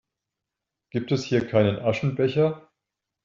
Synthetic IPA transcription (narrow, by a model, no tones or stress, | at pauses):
ɡ̥iːp̚tɛshiːɐkʰaɪnənʔaʃn̩bɛçɐ